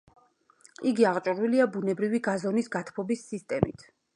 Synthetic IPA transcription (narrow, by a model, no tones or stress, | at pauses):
iɡiaʁt͡ʃʼuɾwiliabunɛbɾiviɡazɔnisɡat̪ʰpʰɔbisːist̪ʼɛmḭt̪ʰ